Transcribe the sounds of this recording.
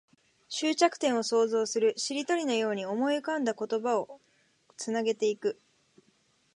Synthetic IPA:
ɕɨːt͡ɕakɯ̥t̪ẽ̞ɰ̃o̞so̞ːzo̞ːsɨɾɯ̟ɕiɾʲit̪o̞ɾʲino̞jo̞ːɲ̟io̞mo̞iɯkãnd̪ako̞t̪o̞bao̞ | t͡sɨnaɡe̞t̪e̞ikɯ̟

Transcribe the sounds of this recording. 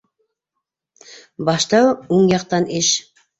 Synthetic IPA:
bɑʃt̪ɑwoŋjɑq̚t̪ɑneʃ

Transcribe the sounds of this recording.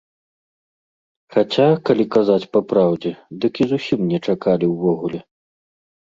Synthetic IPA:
xat͡sʲakalʲikazat͡sʲpapɾawd͡zʲɛd̪ɨkʲizusʲimnʲɛt͡ʂakalʲiwvɔɣulʲɛ

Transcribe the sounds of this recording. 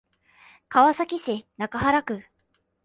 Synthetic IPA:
kaβasakʲiɕinakaɦaɾakɯ̟

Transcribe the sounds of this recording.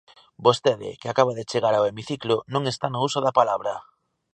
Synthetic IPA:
bost̪eðɪ̰kɪakaβaðet͡ʃeɣaɾaowemiθiklonõŋest̪anousoðapalaβɾɐ

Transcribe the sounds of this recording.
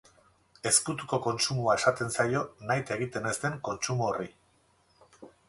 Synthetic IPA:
e̞skut̪uko̞ko̞nt͡sumuae̞sat̪e̞nsajo̞najt̪e̞ɣ̞it̪e̞ne̞st̪e̞ŋko̞nt͡ʃumuori

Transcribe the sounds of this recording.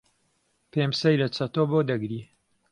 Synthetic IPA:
pemsɐjlɐt͡sɐt̪oboːd̪ɐɡɾi

